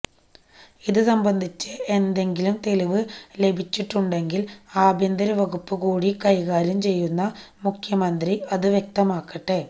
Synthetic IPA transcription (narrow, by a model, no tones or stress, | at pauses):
iðɨsɐmbɐnd̪ʱit͡ɕːɨe̞nd̪e̞ŋɡilumt̪e̞liʋɨle̞bʱit͡ɕːiʈːuɳɖe̞ŋɡilaːbʱind̪ɐɾɐʋɐɡupːɨkuːɽikɐjkaːɾɐmt͡ɕe̞jːunːɐmukʰjɐmɐnd̪riɐðɨʋjek̚t̪ɐmaːkːɐʈːe